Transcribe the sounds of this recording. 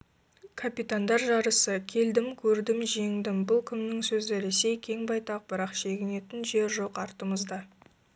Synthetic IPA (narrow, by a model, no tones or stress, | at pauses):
kʰapit̪and̪ɑɾʒɑɾəsəkʲʰe̞ld̪ɪmkʲʰɵɾd̪ɪmʒe̞ŋd̪ɪmbʊlˠkʲʰɪmnɪŋsɵzɪɾe̞se̞jkʲʰe̞ŋbɑjt̪ɑq̚bɪɾɑqʃe̞ɡʲɪne̞t̪ɪnʒe̞ɾʒo̞qɑɾt̪əɴəzd̪ɑ